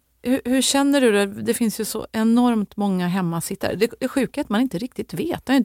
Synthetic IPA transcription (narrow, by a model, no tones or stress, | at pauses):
hɵhɵɕɛnːəɖɵd̪ɛd̪ɛfɪnsjɵsɔ̰ʔɛnɔɾmt̪mɔŋːaɦɛmːasɪt̪ːə̰ɾd̪ɛd̪ɛɧʉ̟ːkaat̪manɪnt̪əɾɪk̚t̪ɪt̪veːt̪ːɛj̪